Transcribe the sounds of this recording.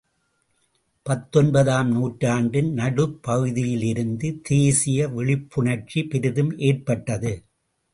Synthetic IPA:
pɐt̪ːɔnbɐðaːmnuːʈraːɳɖɪnnɐɽɯpːɐɣɯðɪjɪlɪɾɯnd̪ɯt̪ʰeːsɪjɐʋɪɭɪpːʊɳɐɾt͡ʃipɪɾɪðɯmʔeːr̚pɐʈːɐðɯ

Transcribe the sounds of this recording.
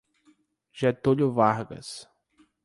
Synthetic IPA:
ʒɛt̪oʎʊvaɾɡɐ̰s

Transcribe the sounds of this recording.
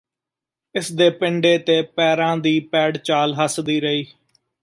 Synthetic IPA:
ɪsd̪eːpɪɳɖeːt̪eːpɛːɾãːd̪iːpɛːɽt͡ʃaːlɦəsd̪iːɾəiː

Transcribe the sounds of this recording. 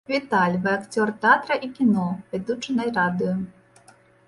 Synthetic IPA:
vʲit̪alʲvɨakt͡sʲɔrt̪ɛat̪ɾɐʔikʲinɔvʲɛd̪ut͡ʂɨnɐjrad̪ɨjɔ

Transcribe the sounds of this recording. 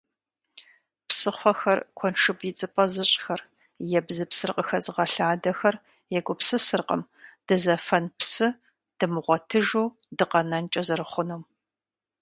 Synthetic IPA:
psɨχʷɔxɐrkʷʰɔnʈ͡ʂʰɨbjɪt͡sʼɨpʼɐzɨɕʼxɐr | jɛbzɨpsɨrqʼəxɐzɨʁɐɬaːdɐxɐr | jɛɡʷʼʊpsɨsɨrqʼə̰m | d̥ɨzɐfɐnpsɨ | d̥ɨmɨʁʷɔtʰɨʒow | dɨqɐnɐnt͡ʃʼɐzɨrɨχʷʊnum

